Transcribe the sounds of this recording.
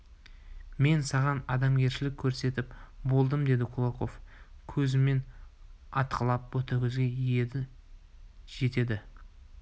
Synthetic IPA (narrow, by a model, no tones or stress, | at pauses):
me̞nsɑʁɑnɑd̪ɑmɡʲe̞ɾʃɪlɪkʲʰːɵɾse̞t̪ɪpbo̞lˠd̪əmd̪e̞d̪ɪkʰulˠoqo̞fkʲʰɵzɪme̞n | ɑt̪qʰəlˠɑp̚wɵt̪əɾkʲʰʏzɡʲe̞ije̞d̪ɪ | ʒ̥e̞t̪e̞d̪ɪ